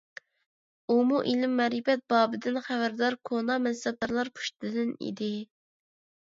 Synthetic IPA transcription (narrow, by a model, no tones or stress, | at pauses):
umuʔilɪmːɛɾipɛt̪̚bɑːbɪd̪ɪnχævæɾd̪ɑɾkʰonɑmɛnsɛpæɾlˠɑɾpʰu̥ʃt̪ʰɨd̪ɪnḭd̪ɪ